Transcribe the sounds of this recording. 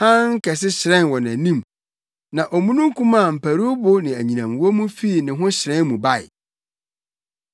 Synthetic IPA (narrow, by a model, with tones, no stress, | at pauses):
hã˦ŋ̩˦kʰɛ˨s̬ɪ˦ɕɪ˨ɾɛ̃˦nwɔ˨næ̃˨nĩ˦m | nã˨ʔɔ˨mũ˦nũ˦ŋ˦kʰũ˦mã˦˨m̩˨pʰæ˨ɾu˦bo˦nɪ̃˨æ˨ɲĩ˨nã˨mwɔ˦mũ˦fi˦i˨nɪ̃˨ɦʊ̃˦ɕɪ˨ɾɛ̃˦mũ˨ba˦˨ɪ̰˨